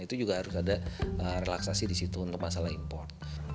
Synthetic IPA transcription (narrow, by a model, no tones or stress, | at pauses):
it̪ud͡ʒuɡahaɾʊsadaərelaksasidisit̪uːnt̪ʊk̚masalahimpɔrt̪̚